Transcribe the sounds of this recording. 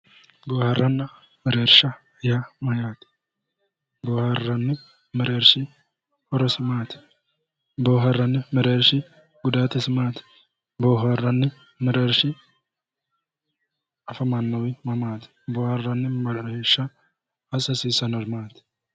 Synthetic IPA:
boːhɐrːɐnːɐ | mɛɾeːɾʃɐ | jamɐjaːt̪ɪ̥ | boːhɐrːɐnːɪ | mɛɾeːɾʃɪ | hɔɾɔsɪmaːt̪ɪ̥ | boːɦɐrːɐnːɪmɛɾeːɾʃɪ | ɡʊd̪aːt̪ɪsɪmaːt̪ɪ̥ | boːɦɐrːɐnːɪ | mɛɾeːɾʃɪ | ɐfɐmɐnːɐwɪmɐmaːt̪ɪ̥boːhɐrːɐnːɪmɐɾɾeːɾʃɐ | ɐsɐsiːsɐnɔɾmaːt̪ɪ̥

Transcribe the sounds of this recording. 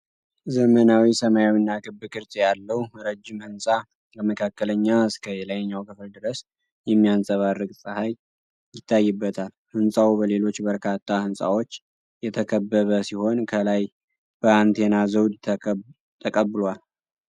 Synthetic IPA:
zəmənawisəmajawinːakʰɨbɨkʰɨɾt̪ʰjalːəwɾəd͡ʒːɪmhɨnsʼa | ləməkʰakːələɲːaɨskʰəjɛlajɲːawkʰɨfld̪ɨɾəs | jɛmːijansʼəβarːɨkʼsʼəhaj | jɪt̪ʰːajːɨbːət̪ʰal | hɨnsʼawubəle̞lo̞t͡ʃːbəɾkʰat̪ʰːahɨnsʼa̰wot͡ʃː | jɛt̪ʰəkʰəbːəβəsiho̞nkʰəlaj | b̥əant̪ʰe̞nazəwd̪ʰ | t̪ʰəkʼəbːɨlwal

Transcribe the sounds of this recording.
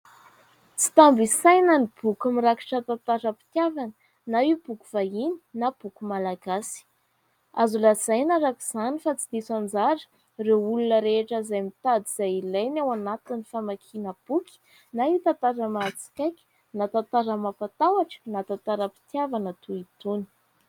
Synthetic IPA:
t͡si̥t̪ambisajnanib̥ukumiɾaki̥ʈ͡ʂət̪at̪aɾəpi̥t̪javanə̥ | naiub̥uku̥vaini̥nab̥ukumalaɡasi̥ | azulaz̥ajnaɾakuz̥anifat͡sid̪̥isand͡zaɾə̥ | rewulunəɾeʈ͡ʂəzajmit̪ad̪iz̥ajilajnawanat̪inifamakʰinəb̥ukʲi̥ | naiwt̪at̪aɾəmat͡si̥kʲajkʲi̥ | nat̪at̪aɾəmapat̪awaʈ͡ʂə̥nat̪at̪aɾəpi̥t̪javanat̪uit̪uni̥

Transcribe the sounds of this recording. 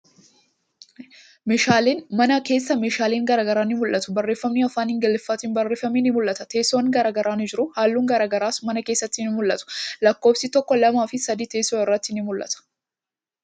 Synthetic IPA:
meːʃaːleːnmɐnɐke̞ːsːɐmeːʃaːleːŋɡɐɾaːɡɐɾaːnɪmʊlʔɐt̪ʊ̥bɐrːe̞ːfːɐmniɐfaːnhɪŋɡɛlɪfːɐt̪ɪnbɐrːe̞ːfːɐminɪmʊlːɐt̪ɐt̪e̞ːsːonɡɐɾaːɡɐɾaːnɪd͡ʒɪɾʊhaːlːuːŋɡɐɾaːɡɐɾaːsmɐnɐke̞ːsːɐt̪ːɪnɪmʊlːɐt̪ʊ̥lɐkːo̞ːfsɪt̪ɔkːɔlɐmaːfɪsɐd̪iːt̪eːsoːɪrːɐt̪ːɪnɪmʊlːɐ̰t̪ɐ̥

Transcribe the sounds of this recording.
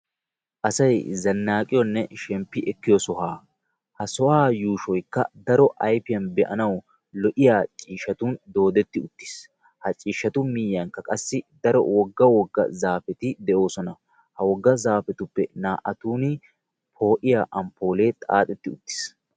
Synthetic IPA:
ʔɐsɐjzɐnːaːkʼɪjɔnːɛʃɛmpːɪʔɛkːɪjɔsɔhaː | hɐsɔʔaːjuːʃɔjkːɐ̰d̪ɐɾɔʔɐjfɪjɐnbɛʔɐ̰nɐw | lɔʔɪjaːt͡ʃʼiːʃɐt̪und̪o̞ːd̪ɛt̪ːɪʊt̪ːɪ̥s | hɐt͡ʃʼiːʃːɐt̪ʊmɪjːɐŋkːɐkʼɐsːɪd̪ɐɾɔ̰wɔɡːɐwɔɡːɐ̰zaːfɛt̪ɪd̪ɛʔo̞ːsɔnɐ | hɐwɔɡːɐzaːfɛt̪ʊpːɛnaːʔɐt̪uːnɪ | pʰo̞ːʔɪjaːʔɐmpːo̞ːle̞ːt̪ʼa̰ːt̪ʼɛt̪ːɪʊt̪ːɪ̥s

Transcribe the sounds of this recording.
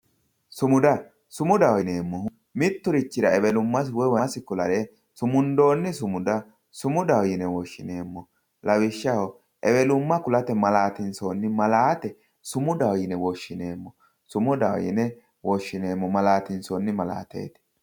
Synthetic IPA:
sʊmʊd̪ɐ | sʊmʊd̪ɐwjɪneːmːɔ | mɪt̪ːʊɾɪt͡ʃːɪɾɐɛbɛlʊmːɐswɔjwɐsɪkʊlɐɾɛ | sʊmʊnd̪o̞ːnːɪsʊmʊd̪ɐ | sʊmʊd̪ɐwɔjɪnɛwɔʃːɪneːmːɔ | lɐwɪʃːɐhɔ | ʔɛbɛlʊmːɐkʊlɐt̪ɛmɐlaːt̪ɪnsoːnːɪmɐlaːt̪ɛ | sʊmʊd̪ɐwjɪnɛwɔʃːɪne̞ːmːɔ | sʊmʊd̪ɐwɔ̰jɪ̰nɛ | wɔʃːɪne̞ːmːɔmɐlaːt̪ɪnsoːnːɪmɐla̰ːt̪ḛːt̪ɪ̥

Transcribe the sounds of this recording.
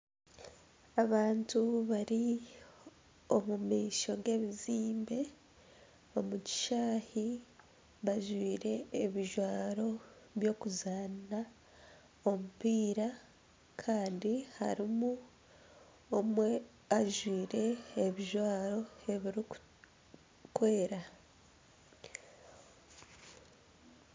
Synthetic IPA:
aβaːntuβaɾi | o̞mumiːʃo̞ɡe̞ːβiziːmbe̞ | o̞muci̥ʃaːhi | βaʒwiːɾe̞ːβiʒwaːɾo̞ | βjo̞ːkuzaːna | o̞mupiːɾa | kʰaːndiha̰ɾimu | omwe | aʒwiːɾe̞ːβiʒwaːɾo̞e̞βiɾiku̥ | kweːɾa

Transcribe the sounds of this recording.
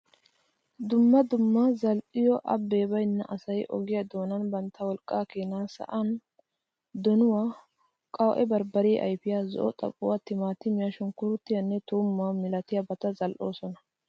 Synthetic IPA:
d̪ʊmːɐd̪ʊmːazɐlʔɪjɔʔɐbːe̞ːbɐjnːɐ̰ʔɐsɐjʔɔ̰ɡɪjɐd̪o̞ːnɐnbɐnt̪ʰːɐwɔlkʼːaːkeːnaːsɐ̰ʔɐn | d̪ɔnʊwaː | kʼɐw̰ʔɛbɐɾbɐɾɪːʔɐ̰jfɪjaːzɔ̰ʔɔt̪ʼɐ̰pʼːʊwat̪ːɪmaːt̪ːɪmɪjɐʃʊŋkʊɾʊt̪ːɪjɐnːɛt̪uːmːaːmɪlɐt̪ɪjɐbɐt̪ɐzɐlʔo̞ːsɔnɐ

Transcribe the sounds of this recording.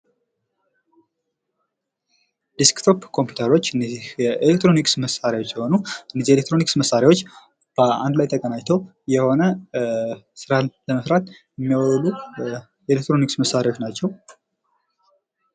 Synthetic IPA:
d̥iskt̪ʰopkʰo̞mpju̥t̪ʰəɾot͡ʃːnɛʔelek̚t̪ɾo̞niksməsaɾjawo̞t͡ʃːjɛho̞nuɨnːizielek̚t̪ʰɾo̞niksməsaɾjawo̞t͡ʃː | b̥əa̰nd̪lajt̪ʰəkʼənajt̪ʰəw | jɛho̞nə | sɨɾalləməsɾat̪jɛmːiawlu | ɛlek̚t̪ɾo̞niksməsːaɾjawo̞t͡ʃːnat͡ʃːɛw

